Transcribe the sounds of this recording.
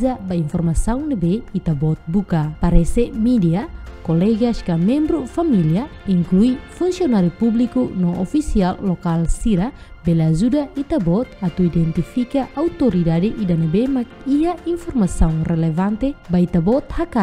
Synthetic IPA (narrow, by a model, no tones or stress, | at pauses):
zabainfɔrmasauŋnebɛit̪abɔt̪̚bukapaɾɛsɛmidiakɔlɛɡaskamɛmbɾufamiliaiŋkluifunsiɔnaɾipublikunɔɔfisialːɔkalsiɾa | bɛlazudait̪abɔt̪̚at̪uidɛnt̪ifikaʔaut̪ɔɾidadiʔidanebemak̚iainfɔrmasauŋrɛlɛvant̪ebait̪abɔt̪̚haka